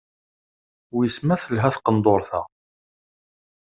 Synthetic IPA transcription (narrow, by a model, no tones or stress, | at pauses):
ʊjəsmæθəlɦæθqənd̪ˤoɾˤθæ̰